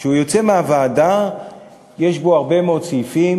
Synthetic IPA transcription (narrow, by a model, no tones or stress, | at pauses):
ʃeujo̞t͡semeavaːda | jeʃbo̞aʁbe̞meod̪t͡sijifim